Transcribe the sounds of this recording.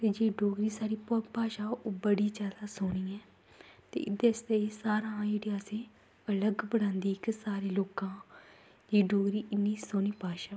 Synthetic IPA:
t̪eːd͡ʒeːɖoːɡɾiːsaːɾiːpːpaːʃaːoːbəɽiːd͡ʒaːd̪aːsoːniːɛː | t̪ḛːʔɪd̪est̪eːesaːɾãːd͡ʒeːɽiaːsẽː | ələɡbəɽãːnd̪iːɪksaːɾeːloːkãː | d͡ʒeːɖoːɡɾiːʔɪnːiːsoːniːpaːʃaː

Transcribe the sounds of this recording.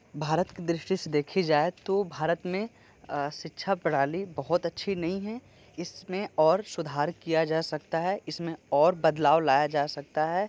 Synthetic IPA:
bʱaːɾət̪ked̪ɾɪʃʈised̪eːkʰid͡ʒaːet̪obʱaːɾət̪mẽ | ʃɪtːʃʰapɐɽ̤aːlibɐɦʊt̪ɐtːʃʰinɐɦĩɦɛ | ɪsmẽɔːɾsʊd̪ʱaːɾkijad͡ʒaːsɐkt̪aɦɛɪsmẽɔːɾbɐd̪laːʋlaːjad͡ʒaːsɐk̚t̪aɦɛː

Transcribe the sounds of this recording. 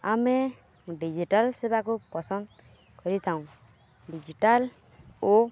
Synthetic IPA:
ame | ɖid͡ʒiʈalsebakupɔsɔnd̪ | kɔɾit̪ʰaũ | ɖid͡ʒiʈal | o

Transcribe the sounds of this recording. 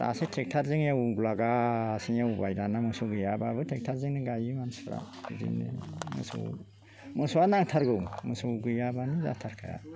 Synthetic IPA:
a̰setʰek̚tʰaɾzɯŋjawuɡulaɡasiŋjawubajdanamɯsuɡɯjababɯtʰek̚tʰaɾzɯŋnɯɡajimansɾa̰ | zḭnɯ̰mɯ̰sṵ | mɯsɔwanaŋtʰaɾɡɯwmɯsɔwɡɯjabaniza̰tʰaɾkʰaja̰

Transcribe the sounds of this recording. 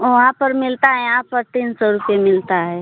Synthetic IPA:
ʋɐɦãpəɾmɪlt̪aɦɛjɦãpəɾt̪iːnsɔɾʊpemɪlt̪aɦɛ

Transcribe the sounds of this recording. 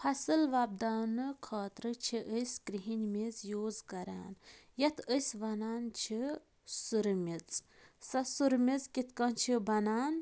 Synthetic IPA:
pʰɐsɨlʋɐb̚d̪aːnɨkʰaːt̪ɾɨt͡ʃʰiʔəjskɾiɦinʲmizjoːzkɐɾa̰ːnjɐt̪ʰəjsʋɐnaːnt͡ʃʰi | suɾmʲit͡s | sɐsuɾmʲizkit̪kɐnt͡ʃʰibɐnaːn

